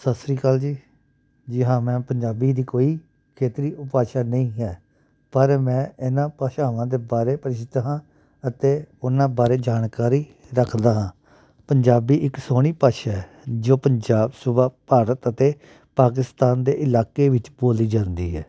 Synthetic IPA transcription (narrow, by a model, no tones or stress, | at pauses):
səsɾiːkəld͡ʒiː | d͡ʒɪɦãːmɛ̃ːpəɲd͡ʒaːbiːd̪iːkoːiː | kʰeːt̪ɾiːʊpaːʃaːnəĩːɦɛː | pəɾmɛ̃ːɪnãːpaːʃaːʋãːd̪eːbaːɾeːpəɾɪʃɪt̪aːɦãː | ət̪eːʊnãːbaːɾeːd͡ʒaːnkaːɾiː | ɾəkʰd̪aːɦãː | pəɲd͡ʒaːbiːʔɪksoːɽ̃iːpaːʃaːɛ | d͡ʒoːpəɲd͡ʒaːbsʊbaːpaːɾət̪ət̪eː | paːk̬ɪst̪aːnd̪ḛːʔɪlaːkeːʋɪt͡ʃboːliːd͡ʒãːnd̪ḭːɛ̰ː